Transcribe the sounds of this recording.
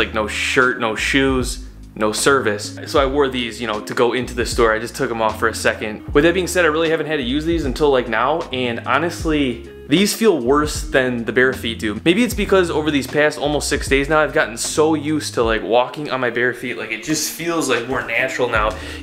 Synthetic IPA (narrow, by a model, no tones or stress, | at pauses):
laɪk̚noʊʃɜ˞tⁿnoʊʃʉz | noʊsɜ˞vɨs | soʊaɪwɔɹðizjɨñoʊɾɨɡoʊɪ̃ntʉðɪstɔɹaɪd͡ʒʌstʰʊkə̃mɔfə˞ɨsɛkɨ̃nd̥̚wɨðɨt̚biɪ̃ŋsɛɾaɪɹɪlˠihævɨn̩t̚hɨd̚tʰɨjʉzðizɨ̃n̩tʰɪlˠaɪk̚naʊɨ̃nɑ̰nɨstˡli | ðiz̥filˠwɜ˞sðɨ̃nðɨbɛɹfit̚d̥ʉmeɪbiɨtsb̥ɨkʰʌzoʊvə˞ðiz̥pʰæstɔ̰lˠmoʊstsɪksd̥eɪznaʊaɪvɡɑʔn̩soʊjʉstʰəlaɪkwɔkɪ̃ŋɨ̰̃nmaɪbɛɹfiʔlaɪkɨt̚d̥ʒ̥ʌstfilˠzlaɪk̚mɔɹnæt͡ʃɹ̥l̩ˠnaʊ